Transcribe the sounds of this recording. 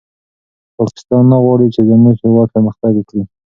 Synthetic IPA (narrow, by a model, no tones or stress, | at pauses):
pɑkɪ̥st̪ɑnːaɣwɑɽit͡ʃed̪ənosewad̪̚pəməxt̪aɡkɽi